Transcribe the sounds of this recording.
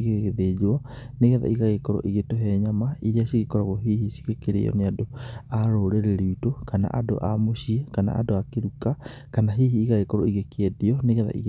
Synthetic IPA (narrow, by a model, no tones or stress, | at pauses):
ɣeɣeðed͡ʑwɔneɣɛða̰ʔiɣaɣekɔɾɔ̰ʔiɣetoɦɛɲamaiɾeaɕiɣekɔɾaɣɔɦiːhisi̥ɣekeɾḛɔ̰neadoaɾoːɾeɾeɾiutokana̰ʔado̰ʔamoɕiekana̰a̰doakeɾuka | kanaɦiːɦiːɣaɣekɔɾɔiɣekeɛdiɔneɣɛða̰ʔḭɣ